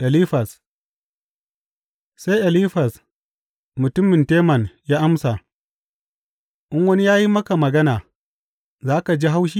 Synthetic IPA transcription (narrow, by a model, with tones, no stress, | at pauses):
ʔa˨li˦ɸa˨s | sa˦jʔa˨li˦ɸa˨s | mʊ˨tʊ˦mɪ˨nteː˦mɐ˨njaː˦ʔa˦msa˨ | ʔɪ˦ŋwɐ˦ni˦jaː˦ji˦mɐ˦ka˨mɐ˨ɡɐ˦naː˨ | zaː˦ka˨d͡ʒi˦ɦa˦wʃ̬i˦